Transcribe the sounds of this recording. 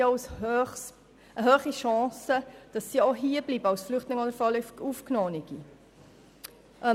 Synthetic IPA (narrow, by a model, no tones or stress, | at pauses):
ɔʊsøχs | ʔəɦøːχiʃɑ̃ːsəd̥ɑsːioɦiːblibəɑwsflʏχtlɪŋɔdəɾfɔlyfufknoːniɡ̥i | ʔə